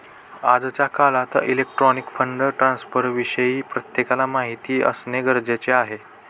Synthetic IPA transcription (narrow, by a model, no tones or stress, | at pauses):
ad͡zt͡ɕjakalat̪ilek̚ʈɾɔnikpʰəɳɖʈɾãnspəɾʋiɕəjiːpɾət̪jekalamaɦit̪iːʔə̰sneɡəɾd͡zet͡seaɦe